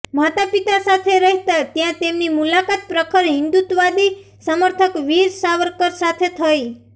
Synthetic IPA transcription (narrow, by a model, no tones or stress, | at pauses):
mat̪apit̪asat̪ʰeɾəɦt̪at̪jãt̪emnimulakat̪̚pɾəkʰəɾɦɪnd̪ut̪ʋad̪i | səməɾt̪ʰəkʋiɾsaʋəɾkəɾsat̪ʰet̪ʰəi